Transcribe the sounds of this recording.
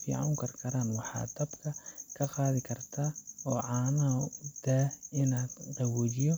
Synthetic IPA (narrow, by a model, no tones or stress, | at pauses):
fḭːʕɑ̰wkʰɐrkʰɐɾaːnwɑħɑ̰ːd̪ɐbkʰɐkʰɐqɑːðɪkʰɐrt̪ʰɐɔːʕɑːnɐd̪̥aːɪnaːd̪qɛwɔd͡ʒjɔ